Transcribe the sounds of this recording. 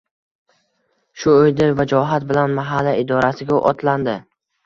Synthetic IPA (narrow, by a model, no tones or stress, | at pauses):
ʃʊojd̪ɪɾvad͡ʒɒɦat̪̚bɪlanmaɦalːaɪd̪ɒɾasɪɡʲaʔɒ̰t̪ʰland̪ɪ